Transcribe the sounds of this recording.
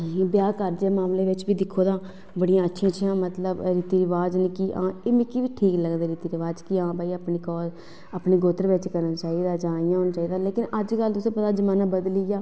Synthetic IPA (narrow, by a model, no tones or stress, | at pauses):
iːbjaːkəɾd͡ʒeːmaːmleːʋɪt͡ʃbiːd̪ɪkʰːoːd̪aː | bəɽijãːətːʃʰijãːt͡ʃʰijãːmət̪ləbɾit̪iːɾɪʋaːd͡ʒniːkɪʔã̰ːeːmɪ̃kiʋiːʈʰiːkləɡd̪eːɾiːt̪iːɾɪʋaːd͡ʒkɪãːbaːiːapniːkɔːl | aːpniːɡoːt̪əɾʋɪt͡ʃkəɾnaːt͡ʃaːiːd̪aːd͡ʒãːijãːɦoːnat͡ʃaːiːd̪aːleːkɪnəd͡ʒkəlt̪ʊsẽːpət̪aːd͡ʒəmaːnãːbəd̪lijaː